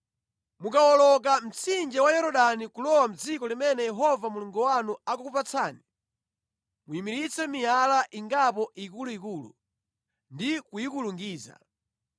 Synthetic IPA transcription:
mukawɔlɔk̬am̩t͡sind͡ʒɛwajɛɾɔɗanikulɔwam̩d͡zikɔlimɛnɛjɛɦɔvamuluŋɡuwanuakukupat͡sʰaːni | muimiɾit͡sɛmijalaʔiŋɡapɔikuluikulṵ | ndikujikuluŋɡiːza̰

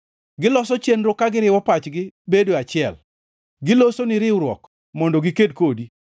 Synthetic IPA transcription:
ɡɪlɔsɔt͡ʃenɾokaɡɪɾɪwɔpat͡ʃɡɪbedoat͡ʃɪɛl | ɡɪlosonɪɾɪwɾwɔk | mɔndɔɡɪked̚kodi

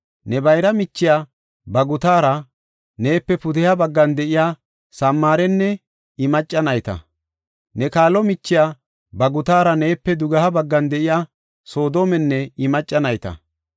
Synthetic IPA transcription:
nɛbɐjɾɐmɪt͡ʃːɪjaː | bɐɡʊt̪aːɾɐ | ne̞ːpːɛpʊd̪ɛjabɐɡːɐnd̪ɛʔɪjaː | sɐmːaːɾɛnːɛ | ɪmɐt͡ʃʼːɐnɐjt̪ɐ̰ | nɛkaːlɔmɪt͡ʃːɪjaː | bɐɡʊt̪aːɾɐne̞ːpːɛd̪ʊɡɐhɐbɐɡːɐnd̪ɛʔɪjaː | so̞ːd̪o̞ːmɛnːɛɪmɐt͡ʃʼːɐnɐjt̪ɐ̰

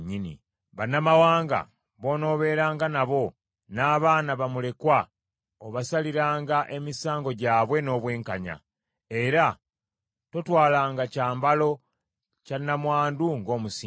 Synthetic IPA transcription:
ɲːinḭ | βanːamawaːŋɡa̰ | βo̞ːno̞βe̞ːɾaːŋɡanaβo̞ | naːβaːnaβamule̞kwa | oβasaliɾaːŋɡaʔe̞misaːŋɡo̞ɟaːβwe̞no̞ːβwe̞ːŋkaɲa̰ | e̞ɾa | to̞twaːlaːŋɡacaːmbalo̞ | canːamwaːnduŋɡo̞ːmusi

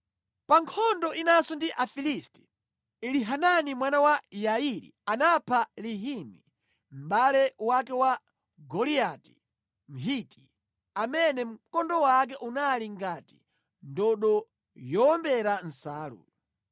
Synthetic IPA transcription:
paŋkʰɔndɔʔinasɔndiʔafilistɛ̥ | iliɦananimwanawajaiɾḭanapʰaliɦimi | m̩ɓalɛwakɛwa | ɡɔliati̥ | m̩ɦiti | amɛnɛm̩kɔndɔwak̬ɛʔunaliŋɡati̥ | ndɔɗɔ | jɔɔmbɛɾan̩saːlṵ

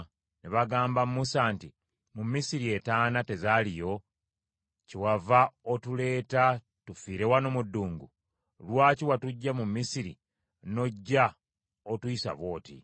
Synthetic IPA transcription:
neβaɡaːmbamːusaːnti | mumːisiɾie̞taːnate̞zalijo̞ | ciwavaotule̞ːta | tufiːɾewanomudːuːŋɡu | lwaːciwatuɟːamumːisiɾḭ | no̞ɟːa | otuisa̰βo̞ːtḭ

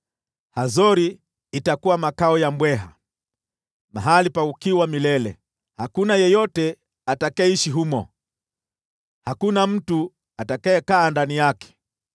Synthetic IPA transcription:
hazɔɾiː | takuwamakaɔjambwɛɦa̰ | ma̰ɦalipaukiwamilɛlɛ̰ | hakunajɛjɔtɛ | atakaɛiʃiɦumɔ̰ | hakunam̩tu | atakaɛkaːndanijakɛ̥

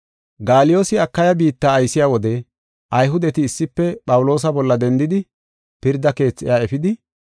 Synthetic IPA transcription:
ɡaːlɪjo̞ːsɪɐkːɐjɐbiːt̪ːaːjsɪjaːwɔd̪ɛ | ʔɐjɦʊd̪ɛt̪ɪːsːɪpːɛpʼɐwʊlo̞ːs̬ɐbɔlːɐd̪ɛnd̪ɪd̪ɪ | pɪɾd̪ɐke̞ːt͡sːɪ̰jaːɛfɪd̪ɪ

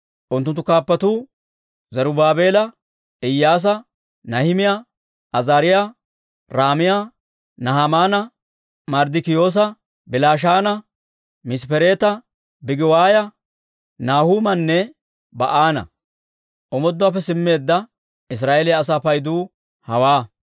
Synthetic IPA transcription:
ʔʊnt̪ːʊnt̪ːʊkaːpːɐt̪uː | zɐɾʊbaːbe̞ːlɐ | ɪjːaːs̬ɐ | nɐhɪmɪja | ʔɐzaːɾɪja | ɾaːmɪja | nɐɦamaːnɐ | mɐɾd̪ɪkɪjo̞ːs̬ɐ | bɪlaːʃ̬aːnɐ | mɪspɛɾe̞ːt̪ɐ | bɪɡɪwaːjɐ | naːhuːmɐnːɛ | bɐ̰ʔaːnɐ̰ | ʔɔmɔd̪ːʊaːpːɛsɪmːe̞ːd̪ːɐ | ɪs̬ɾaːʔeːlɪːs̬aːpɐjd̪uː | hɐwaː

